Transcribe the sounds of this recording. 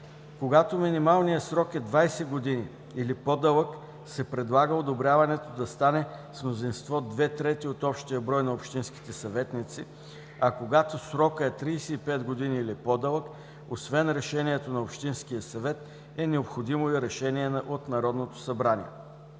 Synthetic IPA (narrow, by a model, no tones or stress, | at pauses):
koɡat̪ominimalˠnijəsɾɔkɛd̪vajsɛɡod̪iniː | lipɔd̪ɤlˠək | sɛpɾɛd̪lˠaɡəod̪obɾʲavɐnɛt̪od̪ɐst̪anɛsmnozinst̪vɔd̪vɛt̪ɾɛt̪iot̪ɔpʃt̪iəbɾɔjnɐopʃt̪inski̥t̪ɛsɐvɛt̪nit̪si | ɐkoɡat̪osɾɔkəɛt̪ɾisɛipɛt̪ɡod̪iniːlipɔd̪əlˠək | osvɛnɾɛʃɛnʲiɛt̪onɐopʃt̪inskijəsɐvɛt̪ | ɛnɛopxod̪imoɐɾɛʃɛniɛnʔot̪nɐɾɔd̪not̪o̥sɐbɾanḭɛ̰